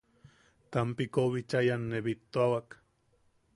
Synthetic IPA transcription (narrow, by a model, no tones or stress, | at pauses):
t̪ampikoβit͡ʃajanːeβit̪ːoawak